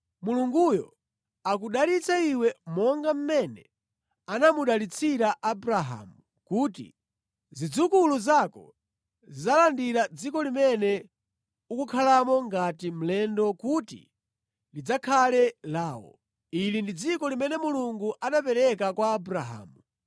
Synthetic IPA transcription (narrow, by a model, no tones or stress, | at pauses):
muluŋɡujɔ̰ | ak̬uɗalit͡saiwɛmɔŋɡam̩mɛnɛ | anamuɗalit͡sʰiɾaʔabuɾaɦa̰ːmu | kuːtḭ | zid͡zukuluzakɔ̰ | zizalandiɾad͡zikɔlimɛnɛ | ukukʰalamɔŋɡatim̩lɛndɔkutḭ | lid͡zakʰalɛlaːwɔ̰ | ilindid͡zikɔlimɛnɛmuluŋɡuʔanapɛɾɛkakwaːbuɾaɦa̰ːmu